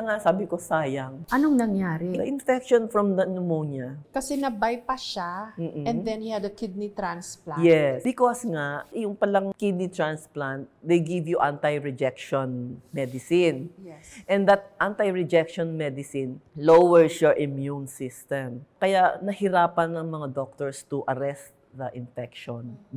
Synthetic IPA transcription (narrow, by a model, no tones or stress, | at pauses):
ɐŋaʔsaːbɪkosaːjɐŋʔɐnoŋnɐŋjaːɾɪɐ̰ʔɪnfɛk̚ʃonfɹɔmd̪ɐnʊmoɲɐkɐsɛnɐbajpɐʃam̩ːɛ̃nd̪ɛ̃nhihɛd̪ɐkɪd̪̚nit̪ɾãnsplajɛsbɪkosŋaʔjʊŋpɐlaŋkɪd̪̚nit̪ɹansplant̪̚d̪ejɡɪvjuʔant̪ajɹɛd͡ʒɛk̚ʃɔnmɛd̪ɪsɪnjɛʔɛ̃nd̪ɐt̪̚ʔant̪ajɹɛd͡ʒɛkʃɔnmɛd̪ɪsɪnlowɛɹsjɔɹʔɪmjunsɪst̪ɛ̃mkɐjaʔnɐhɪɾaːpɐnɐŋmɐŋad̪ok̚t̪oɹst̪ʊʔɐɾɛst̪̚ | d̪ɐʔɪnfɛk̚ʃɔn